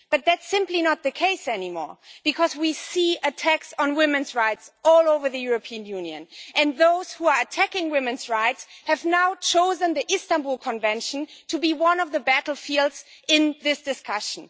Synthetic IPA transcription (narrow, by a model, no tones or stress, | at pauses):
b̥ʌt̪̚ðætsɪ̃mplinət̪̚ðɨkʰeɪsɛnimɔ̰ɹb̥ɨkʰʌzwisiɨtʰæksn̩wɪ̃mɨ̃nzɹaɪtsɔlˠoʊvə˞ðɨjʊɹəpʰiɨ̃njʉ̃njɨ̰̃nʔɨ̃nðoʊz̥huə˞ɨtʰækɪ̃ŋwɪ̃mɨ̃nzɹaɪtshɨvnaʊt͡ʃʰoʊzə̃nðiʔɪstə̃nbulˠkʰə̃ɱvɛ̃nʃn̩tʰɨbiwʌ̃nʌvðəbæɾl̩ˠfilˠdz̥ɪ̃nðɪsd̥ɨskʰʌʃn̩